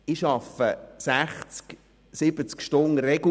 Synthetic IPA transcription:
ɪʃɑfəsæχt͡sk | sɪb̥ət͡skʃtʊnrɛɡ̥

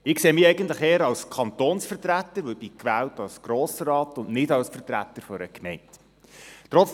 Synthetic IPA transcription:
ɪkseːmiːɛɪɡəntləχeːəɾɑwskʰɑnt̪oːnsfəɾtrætːəɾʋœbikʋæːltɑlsɡ̥ɾoːsəɾɑːtʊnnɪdɑwsfərtræ̰t̪ːəɾfɔɾəkmɛɪnt | tɾɔt͡s

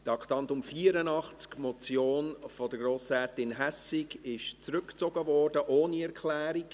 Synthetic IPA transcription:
d̥ɑktɑntʊmfiːəɾənɑχt͡skmɔt͡sjoːnfɔd̥əɡroːsɛːtɪnɦæsɪɡɪʃt͡sɾʏkt͡sɔɡəvɔrdəʔoːniɛɾkʰlɛːɾik

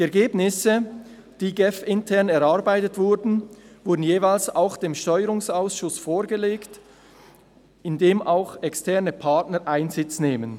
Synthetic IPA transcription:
d̥iɛɐɾɡeːbnɪsə | d̥iːɡɛfɪntʰɛʁnɛɾaɐbaɪtətv̥ʊɾdn̩vʊɐdn̩jeːvaɪlsaʊxd̥eːmʃtɔʏəɾʊŋsaʊsʃʊsfoːɾɡəleːkt | ɪndeːmaʊxɛkstɛʁnəpʰaɐtnəɾʔaɪnzɪt͡sneːmən

